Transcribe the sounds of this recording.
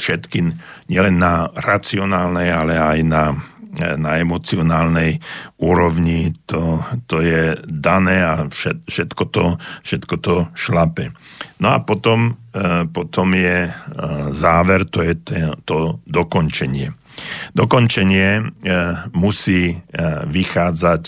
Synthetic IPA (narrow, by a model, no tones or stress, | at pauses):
fʃɛt̪ki | ɲɪɛlɛnːaɾat͡siɔnaːlnɛjalɛajna | naɛmɔt͡siɔnaːlnɛjuːɾɔʋɲit̪ɔt̪ɔjɛd̪anɛːaʃɛfʃɛt̪kɔt̪ɔfʃɛt̪kɔt̪ɔʃlapɛnɔapɔt̪ɔmpɔt̪ɔmjɛ | zaːʋɛɾt̪ɔjɛt̪ɛt̪ɔd̪ɔkɔnt͡ʃɛɲɪɛ | d̪ɔkɔnt͡ʃɛɲɪɛ | musiːʋixaːd͡zac